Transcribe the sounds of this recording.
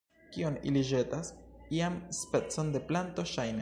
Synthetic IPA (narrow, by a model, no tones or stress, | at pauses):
kionḭliʒe̞tasiamspe̞t͡so̞nde̞planto̞ʃajn